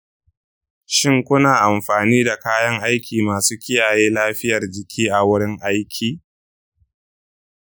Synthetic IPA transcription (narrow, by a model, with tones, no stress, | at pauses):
ʃɪ˦ŋkʷʊ˦naː˨ʔa˨mɸaː˨niː˦da˨kaː˦jɐ˦ŋʔa˦jkʲiː˨maː˨suː˦kʲɪ˦jaː˨jeː˦laː˦ɸɪ˦jɐ˨rd͡ʒɪ˨kʲʰiː˦ʔa˨wʊ˦ɽɪ˦ŋʔa˦jkʲʰiː˨